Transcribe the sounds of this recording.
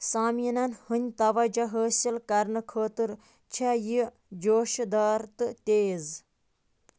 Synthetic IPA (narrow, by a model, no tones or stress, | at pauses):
saːminɐnhɨnʲt̪ɐʋɐd͡ʒɐɦəːsilkɐɾnɨkʰəːt̪ɨɾ | t͡ʃʰaji | d͡ʒoːʃd̪aːɾt̪ɨt̪eːz